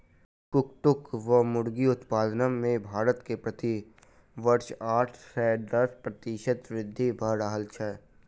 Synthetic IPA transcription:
kʊkʈ̪ʊkʋəmʊɽɡiʊt̪paːd̪nəmẽbʱaːɾət̪kepɾət̪i | ʋəɾʃaːʈʰsɛːɖəspɾət̪ɪʃət̪ʋɾɪd̪ʱːibʱəɾaɦəlt͡ʃʰɛː

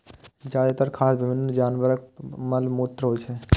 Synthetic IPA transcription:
d͡ʒaːɾət̪əɾkʰaːsbɪbʱɪnənd͡ʒaːnʋəɾək̚məlmoːt̪ɾəɦoːjt͡ʃʰe

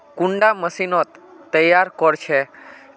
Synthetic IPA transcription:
kũɳɖaməsinot̪ːəjaɾkɔɾt͡ʃʰe

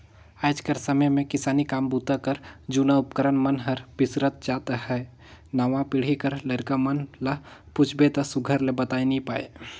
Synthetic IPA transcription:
aːɪd͡ʒkəɾsəməjmẽkɪsaːnikaːmbut̪akəɾd͡ʒuːnaʊpkəɾənmənɦəɾb̥ɪsɾət̪̚d͡ʒaːt̪hɛː | naʋãpɪɽ̤ikəɾləɾkamənlaput͡ʃʰbet̪ɐsʊɡʱəɾlebət̪aːinĩpaːḛ

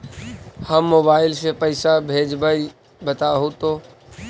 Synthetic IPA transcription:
həmːoːbaːɪlsepəɪsabʱeːd͡ʒbəi | bət̪aɦõt̪oː

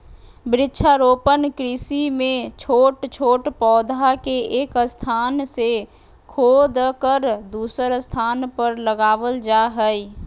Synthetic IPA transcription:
bɾɪtːʃʰaɾoːpənkɾɪsimẽt͡ʃʰoːʈt͡ʃʰoːʈpɔːd̪ʱakeeːkst̪ʰaːnse | kʰoːd̪kəɾd̪uːsəɾst̪ʰaːnpəɾləɡaːʋəld͡ʒaɦɛi

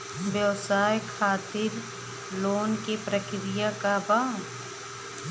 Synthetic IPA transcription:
ʋjəʋsaːjkʰaːt̪ɪɾ | loːnkepɾəkɾɪjakabaː

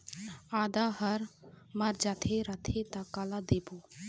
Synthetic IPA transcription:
aːd̪aɦəɾmaɾd͡ʒat̪ʰeɾat̪ʰet̪akalad̪ebo

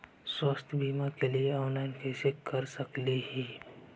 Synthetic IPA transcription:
swəst̪ʰbʱiːmakelieɔːnlaɪnkɛːsekɐɾsəkliɦiː

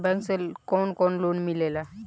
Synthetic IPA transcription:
bɛ̃ŋkselkɔnkɔɳlonmilela

